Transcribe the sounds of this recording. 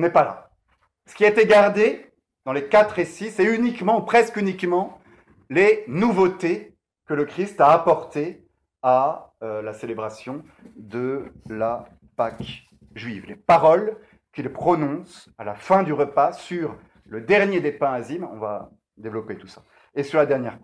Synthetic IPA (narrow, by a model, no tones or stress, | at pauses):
ɔ̃nɛpala̰ | sə̥kʲiaet̪eɡaʁd̪e | d̪̥ɑ̃lekat̪χesisɛynikmɑ̃upχɛskynikmɑ̃ | lenuvot̪e | kələkχist̪aːpɔʁt̪e | aølaselebʁasjɔ̃ | d̪əla | pak | ʒɥivlepaʁɔl | kʲilpχɔnɔ̃s | alafɛ̃d̪yʁəpasyʁ | ləd̪ɛʁnjed̪epɛ̃azimɔ̰̃va̰ | d̪evlɔpet̪u̥sḁ | esyʁlad̪ɛʁnjɛ̰ʁ